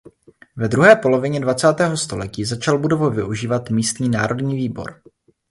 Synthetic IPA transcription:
vɛd̪ɾuɦɛːpo̞lo̞vɪɲɛdvat͡saːt̪ɛːɦo̞st̪o̞lɛciːzat͡ʃalbudo̞vovɪʔuʒiːvat̪miːst̪ɲiːnaːɾo̞dɲiːviːbo̞̰ɾ

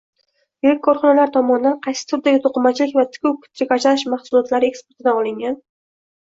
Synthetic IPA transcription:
jɪɾɪk̚ʲkʰːɒɾχɒnalaɾt̪ʰɒmɒnɪd̪anqʰɑjsɪ̥t̪ʰʊɾd̪aɡʲɪt̪ʰoqɨmat͡ʃlɪkʲvat̪ʰɪ̥kʰʲʊwkʰʊ̥t̪lɪkʲat͡ʃanɪʃmɑχsʊlˠɒt̪laɾɪe̞kspo̞ɾt̪ʰɪd̪aɒlˠɪŋɡʲan

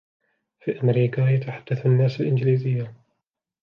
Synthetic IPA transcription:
fiːʔamɾiːkajat̪aħad̪̥ːaθanːaːsalʔɪnd͡ʒliːzɪjːa

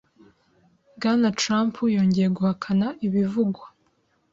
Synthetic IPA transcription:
ɡanatɾaːmpʰujo̞ːɲɟe̞jeɡuhakʰanaʔiβivuɡwa

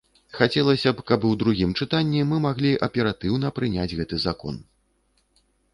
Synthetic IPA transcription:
xat͡sʲɛlˠɐsʲɐpkɐbɨwd̪ɾuɣʲimt͡ʂɨt̪anʲːimɨmaɣlʲiʔɐpʲɛɾat̪ɨwn̪ɐpɾɨnʲad͡zʲɣɛt̪ɨzakɔ̰n

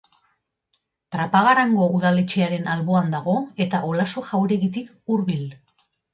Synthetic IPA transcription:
t̪ɾapaɣ̞aɾaŋɡouðalet͡ʃeaɾe̞nalβo̞and̪aɣ̞o̞e̞t̪aʔolaso̞ʝawɾe̞ɣit̪ik | uɾβil

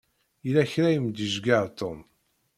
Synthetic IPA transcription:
ilæçɾæjəmd̪əʒɡaɾt̪om

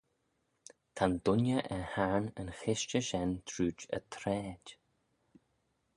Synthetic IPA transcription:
t̪ʰand̪ʊnjəʔəhaːnənxɪʃt͡ʃəʃɛnt̪ʰɾuːt͡ʃə̰t̪ʰɾɛːdʲ

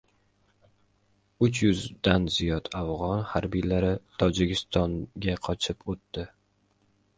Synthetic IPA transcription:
ʊt͡ʃjʊzd̪anzijɒt̪afʁɒnhaɾbijlaɾɪt̪ʰɒd͡ʒɪkʲɪst̪ʰɒnɡʲaqʰɒt͡ʃʰɪpʰot̪ːɪ

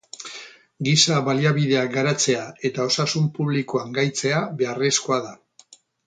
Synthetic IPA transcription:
ɡisaβaliaβið̞e̞aɡaɾat͡se̞ae̞t̪ao̞sasumpuβ̞likoaŋɡajt͡se̞aβe̞are̞skoaða

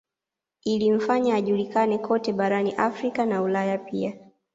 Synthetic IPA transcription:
iliɱ̩faɲaːʄulikanɛkʰɔtɛɓaɾaniʔafɾikanaulajapia

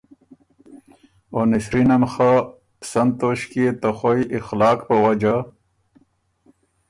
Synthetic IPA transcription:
onisɾinɐmxa | psɐnd̪t̪oɕkiet̪ɐxojʔixlaːkpɐwɐd͡ʑa

